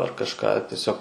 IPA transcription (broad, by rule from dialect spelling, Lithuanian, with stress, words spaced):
ɐr kɐʃˈkɑː tʲiɛˈsʲoːk